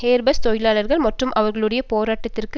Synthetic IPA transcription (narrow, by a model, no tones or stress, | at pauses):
heːɾbɐst̪ɔjɪlaːlɐɾɣɐɭmɐʈrɯmʔɐʋɐɾɣɐɭɯɽɐjɐpoːɾaːʈːɐt̪ːɪrk